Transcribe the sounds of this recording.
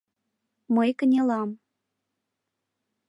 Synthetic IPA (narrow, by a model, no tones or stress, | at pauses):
məjkənʲelɑm